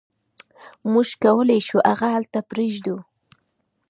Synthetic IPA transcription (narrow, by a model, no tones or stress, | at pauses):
muʒkawəlajʃuʔaɣahalt̪apɾeʒd̪u